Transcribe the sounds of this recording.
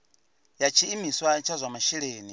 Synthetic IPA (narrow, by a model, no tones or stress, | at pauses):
jat͡ʃʰiːmiswat͡ʃʰazʷamaʃiɺeːni